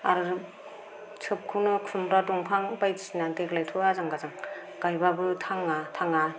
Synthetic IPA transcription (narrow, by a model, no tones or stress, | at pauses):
aɾ | t͡ʃʰɯp̚kʰunɯkʰɾumɾaduŋpʰaŋbajtisinadeklajtʰuazaŋɡazaŋ | ɡ̥ajbabɯtʰaŋatʰaŋa